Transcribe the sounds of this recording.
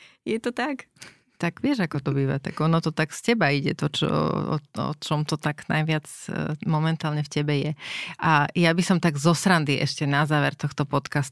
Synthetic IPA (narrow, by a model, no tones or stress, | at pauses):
jɛt̪ɔt̪ak | t̪aɡʋɪɛʒakɔt̪ɔbiːʋa̰t̪a̰ɡɔnɔt̪ɔt̪aɡscɛbaiɟɛt̪ɔt͡ʃɔ̰ɔ̰ɔ̰t͡ʃɔmt̪ɔt̪aɡnajʋɪat͡smɔmɛnt̪aːlɲɛfcɛbɛjɛʔajabisɔmt̪aɡzɔsɾand̪iʔɛʃcɛnazaːʋɛɾt̪ɔxt̪ɔpɔt̪kast̪u